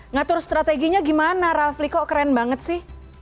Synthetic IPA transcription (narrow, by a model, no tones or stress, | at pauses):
ŋat̪ʊrst̪ɾat̪eɡiɲaɡimanaɾaflikɔkəɾɛnbaŋət̪̚sɪh